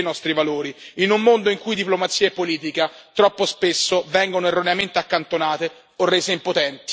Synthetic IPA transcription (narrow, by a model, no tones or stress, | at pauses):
nɔst̪ɾivaloːɾiinumːond̪oiŋkujd̪iplomat̪sːiːaepːoliːt̪̬ikat̪ɾɔpːospesːovɛŋɡonoerːoneament̪eakːant̪onaːt̪e | orːeːzeimpot̪ɛnt̪i̥